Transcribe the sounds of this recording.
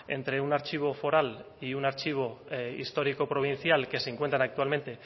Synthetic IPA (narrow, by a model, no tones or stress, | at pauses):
e̞̰nt̪ɾe̞unaɾt͡ʃiβ̞o̞fo̞ɾal | iunaɾt͡ʃiβ̞o̞ḭst̪o̞ɾiko̞pɾo̞β̞in̟θjalke̞seŋkwe̞nt̪ɾanak̚t̪ualment̪e̞